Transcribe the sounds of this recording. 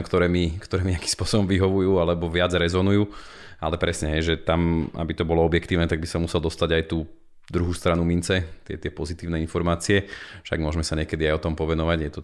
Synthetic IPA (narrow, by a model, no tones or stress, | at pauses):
kt̪ɔɾɛːmikt̪ɔɾɛːmiɲakiːmspʊɔsɔbɔmʋiɦɔʋujuːalɛbɔʋɪad͡zɾɛzɔnujuːa̰lɛpɾɛsɲɛɦɛjʒɛt̪ama̰bit̪ɔbɔlɔɔbjɛkt̪iːʊnɛt̪aɡbisamusɛlˠd̪ɔst̪aɟajt̪uː | d̪ɾuɦuːst̪ɾanumint͡sɛt̪ɪɛ̰t̪ɪɛpɔzit̪iːʊnɛinfɔɾmaːt͡siɛfʃa̰ɡmʊɔʒmɛsaɲɪɛkɛd̪iajɔt̪ɔmpɔʋɛnɔʋaɟjɛt̪ɔ